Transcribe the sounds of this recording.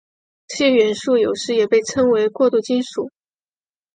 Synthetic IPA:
ɕjɛ˥˩ɥɛ˧˥nʂu˥˩jo˨˩ʊʂɻ̩˧˥jɛ˨˩pe˥˩ɪʈ͡ʂʰɤ˥ŋwe˧˥ɪkwɔ˥˧t̪u˥˩t͡ɕi˥nʂu˨˩˦

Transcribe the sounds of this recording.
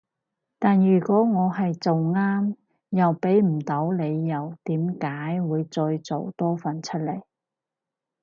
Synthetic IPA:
t̪aː˨njyː˨˩kʷɔː˨˥ŋɔː˨˧ɦɐ˨jt͡so˨wŋaː˥m | jɐ˨wpe˨˥jm̩˨˩t̪o˨˥wle˨˧jːɐ˨˩wt̪iː˨˥mkaː˨˥jwuː˨˧jt͡sɔː˧jt͡so̰˨wt̪ɔː˥fɐ˨˩nt͡ʃʰɵ˥t̚le˨˩j

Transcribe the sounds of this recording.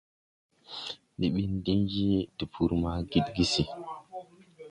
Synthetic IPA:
ɗi˨ɓi˦ndi˦nd͡ʒi˦ti˨pʰu˦ɾma˦ɡi˦tɡi˦si˨

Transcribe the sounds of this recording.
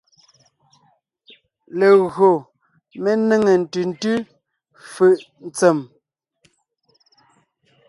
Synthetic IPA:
le˨ɣɰo˨ | me˦ne˦ŋe˨n̩˨tʉ˨n̩˦˨tʉ˦ | fʉ˨ʔ | n̩˨t͡sɛ˨m

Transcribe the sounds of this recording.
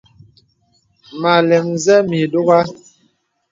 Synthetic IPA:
ma˨lɛ˨ŋzɛ˦mi˨do˦ɣa˦

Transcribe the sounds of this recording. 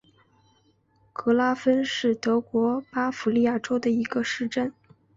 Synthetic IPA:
kɤ˧˥la˥fə˥nʂɻ̩˥˩t̪ɤ˧˥kwɔ˧˥pa˥fu˧˥li˥˧ja˥˩ʈ͡ʂo˥ʊd̪ə˨i˧˥ɡə˧ʂɻ̩˥˧ʈ͡ʂə˥˩n

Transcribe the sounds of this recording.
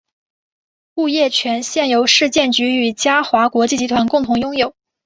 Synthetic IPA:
u˥˧jɛ˥˩t͡ɕʰɥɛ˧˥nɕjɛ˥˩njo˧˥ʊʂɻ̩˥˧t͡ɕjɛ˥˩nt͡ɕy˧˥y˨˩t͡ɕja˥xwa˧˥kwɔ˧˥t͡ɕi˥˩t͡ɕi˧˥t̪ʰwa˧˥nkʊ˥˩ŋt̪ʰʊ˧˥ŋjʊ˥ŋjo˨˩˦ʊ

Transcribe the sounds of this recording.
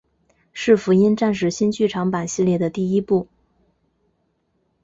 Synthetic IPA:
ʂɻ̩˥˩fu˧˥i˥nʈ͡ʂa˥˧nʂ̬ɻ̩˥˩ɕi˥nt͡ɕy˥˩ʈ͡ʂʰɑ˧˥ŋpa˨˩nɕi˥˧ljɛ˥˩d̪ə˩t̪i˥˩i˥pu˥˩

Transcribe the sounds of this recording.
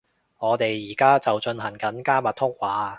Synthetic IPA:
ŋɔː˨˧t̪e˨jːiː˨˩kaː˥t͡sɐ˨wt͡ʃɵ˧nɦɐ˨˩ŋkɐ˨˥nkaː˥mɐ˨t̪̚ʰʊ˥k̚waː˨˥

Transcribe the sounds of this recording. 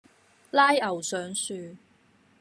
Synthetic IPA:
laː˥jɐ˨˩wsœː˨˥ŋsyː˧

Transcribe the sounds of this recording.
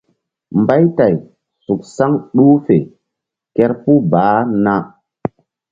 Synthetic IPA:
mba˦jta˨j | su˨k̚sa˦ŋɗu˦fe˨ | kɛ˦ɾpu˦baː˨˦na˦

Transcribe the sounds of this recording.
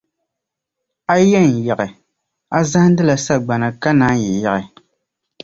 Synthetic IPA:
a˦jɛ˦˨n˨jɛ˨ɣɪ˨ | a˦za˦hdɨ˦la˨sa˦ɡ͡ba˨nɨ˨ka˦naː˦jɛ˨jɛ˦ʔɪ˨

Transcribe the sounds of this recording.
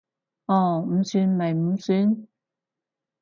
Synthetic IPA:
ɔː˧˩m̩˨˥syː˧˥nmɐ˨˩jm̩˧˥syː˧˥n

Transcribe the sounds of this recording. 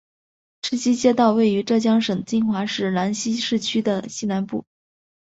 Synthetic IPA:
ʂɻ̩˥˩t͡ɕi˥t͡ɕjɛ˥t̪ɑ˥˧ʊwe˥˩ɪy˧˥ʈ͡ʂɤ˥˩t͡ɕjɑ˥ŋʂə˨˩ŋt͡ɕi˥ŋxwa˧˥ʂɻ̩˥˩la˧˥nɕi˥ʂɻ̩˥˩t͡ɕʰy˥d̪ə˨ɕi˥na˧˥npṵ˥˩

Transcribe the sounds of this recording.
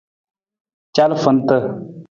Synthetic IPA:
t͡ʃa˦lfə˦n˦t̪ə˦˨

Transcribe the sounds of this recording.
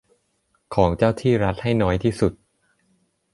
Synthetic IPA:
kʰɔː˩˦ŋt͡ɕaː˥˩wt̪ʰiː˥˩ɾa˦˥t̪̚ha˥˩jnɔː˦˥jt̪ʰiː˥˩su˨˩t̪̚

